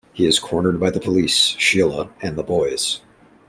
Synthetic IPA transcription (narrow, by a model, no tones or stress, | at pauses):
hiɨz̥kʰɔɹnə˞d̚baɪðəpʰəlisʃilˠəɨ̃nðəbɔɪz̥